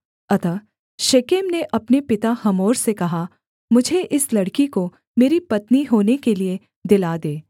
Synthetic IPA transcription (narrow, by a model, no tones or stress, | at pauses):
ɐt̪a | ʃeːkeːmneʔɐpnepɪt̪ahɐmoːɾsekɐɦa | mʊd͡ʒʱeʔɪslɐɽkiko | meːɾipɐt̪niɦoːnekelie | d̪ɪlad̪eː